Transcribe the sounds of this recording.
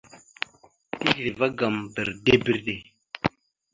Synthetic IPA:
ti˦ɡɾe˨va˦ɡa˨mbə˨ɾde˦bə˦˨ɾde˨

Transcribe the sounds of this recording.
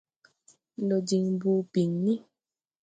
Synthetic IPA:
lo˨d͡ʒi˨ŋbu˧pi˨ŋnĩ˦

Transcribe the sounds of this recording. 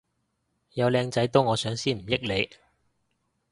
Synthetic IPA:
jɐ˨˧wlɛː˧ŋt͡sɐ˨˥jt̪o˥wŋɔː˨˧sœː˨˥ŋsiː˥nm̩˨˩jɪ˥k̚le˨˧j

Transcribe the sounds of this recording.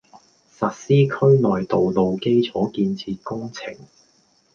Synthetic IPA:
sɐ˨t̚siː˥kʰɵ˥ɥnɔː˨jt̪o˨wlo˨wke˥jt͡sʰɔː˨˥kiː˧nt͡sʰiː˧t̚kʊ˥ŋt͡sʰɪ̰˨˩ŋ

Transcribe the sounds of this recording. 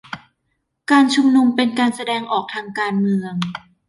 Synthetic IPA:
kaː˧nt͡ɕʰu˧mnu˧mpe˧nkaː˧nsa˧dɛː˧ŋʔɔː˨˩k̚t̪ʰaː˧ŋkaː˧nmɯ˧əŋ

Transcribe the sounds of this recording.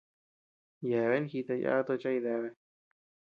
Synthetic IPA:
jɛ˨βɛ˦nxi˧t̪a˧jʔa̰ː˦t̪o˧t͡ʃa˦i˧ðɛ˧βɛ˧

